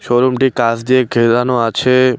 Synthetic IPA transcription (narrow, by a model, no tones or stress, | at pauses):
ʃɔɾumʈikasd͡ʒieɡʱeɾanoat͡ʃʰe